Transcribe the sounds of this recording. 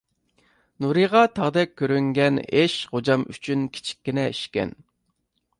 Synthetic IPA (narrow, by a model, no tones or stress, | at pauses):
nuɾɨʁɑt̪ʰɑʁd̪ɛk̚ʲʰːøɾyŋɡʲɛneʃχod͡ʒɑmy̰t͡ʃʰynkʲʰi̥t͡ʃʰi̥kʲːinɛiʃkʲɛ̰n